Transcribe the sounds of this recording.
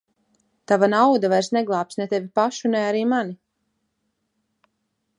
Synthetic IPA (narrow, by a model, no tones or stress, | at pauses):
t̪avanawd̪avajɾsnɛɡlˠaːp̚snɛt̪ɛvʲipaʃunɛaɾiːmani